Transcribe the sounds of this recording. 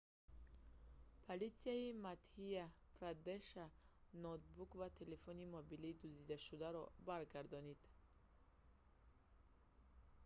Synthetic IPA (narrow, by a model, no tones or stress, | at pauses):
pʰolit̪siaimat̪hiapʰɾad̪eʃanɔt̪̚bukvat̪ʰe̞lefɔnimobiliːd̪uzid̪aʃud̪aɾɔbaɾɡaɾd̪ɔnid̪̥